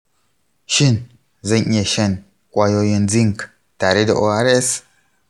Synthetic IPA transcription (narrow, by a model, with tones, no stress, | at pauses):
ʃi˦˨n | zɐ˦ɲe˨ʃe˦˨n | kʷʼwa˦jo˦je˨nd͡zi˦ŋk | ta˨ɾi˦da˨ʔo˦a˦ɾe˦s